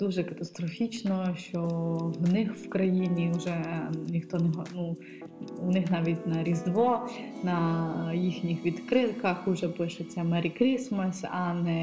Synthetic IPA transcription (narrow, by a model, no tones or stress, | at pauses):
d̪̥uʒɛkɐt̪ɐst̪ɾɔfʲit͡ʃnɔʃt͡ʃɔwnɪxwkɾɐjinʲiwʒɛnʲixt̪ɔnɛɦɔnu | unɪxnɑʋʲitʲnɐɾʲizd̪ʋɔnɐjixnʲixʋʲid̪kɾɪw̪kɐxʊʒɛpɪʃet͡sʲɐmɛɾʲikɾʲismɐsʲɐnɛ